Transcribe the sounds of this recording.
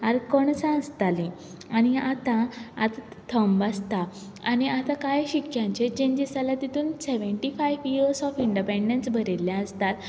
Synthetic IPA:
aɾkɔɳsãəst̪alĩ | añiat̪ãa̰t̪ | t̪ʰəmbast̪a | añiat̪ãkajɕikjãɲt͡ɕet͡ɕẽɲd͡ʑesalat̪it̪ʰuːnseʋəɳʈifajʋioɾsɔfiɳɖipeɳɖensbʱəɾeljãəst̪at̪

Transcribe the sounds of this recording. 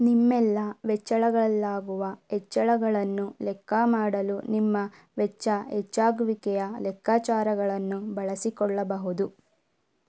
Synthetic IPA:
nimːɛlːɐʋɛt͡ʃːɐɭɐɡɐɭɐlːaːɡuʋɐɛt͡ʃːɐɭɐɡɐɭɐnːulɛkːɐmaːɽɐlunimːɐ | ʋɛt͡ʃːɐɛt͡ʃːaːɡʋikɛjɐlɛkʰːaːt͡ʃaːɾɐɡɐɭɐnːubɐɭɐsikɔɭːɐbɐɦud̪u

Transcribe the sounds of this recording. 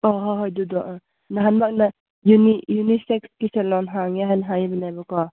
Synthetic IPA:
ɔɦɔɦɔjdudɔʔ | naɦanbak̚na | junijunisɛkskisɛlɔnɦaŋaɦajnɦajbinajbakɔ

